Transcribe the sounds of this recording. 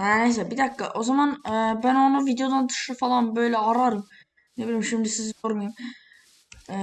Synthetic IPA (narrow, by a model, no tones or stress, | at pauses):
hænes̬elabid̪akːa̰ʔo̞zamanɯːbæno̞nuvid̪eo̞d̪and̪ɯ̥ʃɾafalˠanbø̞jlʲɛaɾaɾɯm | nebilʲimʃimd̪isizj̪oɾmajɯm